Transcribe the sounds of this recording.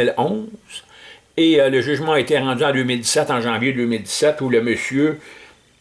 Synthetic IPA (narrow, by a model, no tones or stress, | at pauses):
ɪlɔ̃z̥ | eələʒyʒmɑ̃et̪ɛʁɑ̃d̪yɑ̃d̪øːmɪld̪i̥sɛt̪ɑ̃ʒɑ̃vjed̪øːmɪld̪i̥sɛt̪uləməsjø